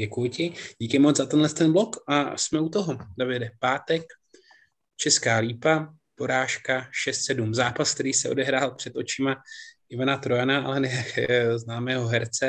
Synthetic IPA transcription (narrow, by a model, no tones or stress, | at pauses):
ɛkujʊcɪɟiːkɪmod͡zzat̪ɛnlɛst̪ɛnblo̞kʔasmɛut̪oɦodavɪdɛpaːt̪ɛk | t͡ʃɛskaːliːpa | po̞ɾaːʃkaʃɛst̪sɛdumzaːpask̚t̪ɛɾiːsɛo̞̰dɛɦɾaːlpr̝̥ɛt̪o̞t͡ʃɪmaʔɪvanat̪ɾojanaʔa̰lɛnɛznaːmɛːɦo̞ɦɛɾt͡sɛ